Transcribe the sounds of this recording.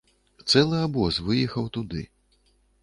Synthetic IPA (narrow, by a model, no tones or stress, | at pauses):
t̪sɛlˠɨabɔsvɨjɛxɐwt̪ud̪ɨ̰